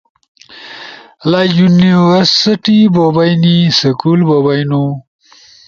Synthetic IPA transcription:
lajuniwəɾsiʈibobajnisəkulbobajnu

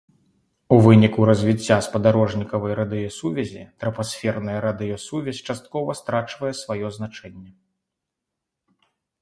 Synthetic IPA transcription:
uvɨnʲikuɾɐzʲvʲit͡sʲːaspɐd̪aɾɔʐnʲikɐvɐjɾɐd̪ɨjɔsuvʲɐzʲḭt̪ɾɐpasʲfʲɛrnɐjɐɾad̪ɨjɔsuvʲɛsʲt͡ʂast̪̚kɔvɐst̪ɾat͡ʂvɐjɛsvajɔzn̪at͡ʂɛnʲːɛ

